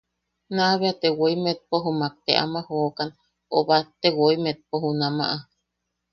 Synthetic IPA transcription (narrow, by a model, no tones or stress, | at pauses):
naβeat̪ewoimet̪̚poɦumak̚t̪eʔa̰mahokan | oβat̪ewoimet̪̚poɦunama̰ʔa